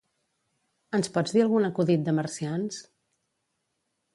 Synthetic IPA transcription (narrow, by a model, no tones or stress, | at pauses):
ənspɔd͡zd̪iəlˠɣunəkuðit̪̚d̪əməɾsians